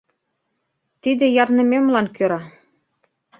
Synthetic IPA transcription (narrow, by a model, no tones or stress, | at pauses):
t̪id̪ɘ̆jɑrnɤ̆mʲemlˠɑnkøɾɑ